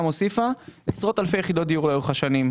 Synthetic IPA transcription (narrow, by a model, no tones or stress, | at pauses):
mo̞sifaesʁo̞talfejeid̪ot̪̚d̪ijuʁlauχaʃanim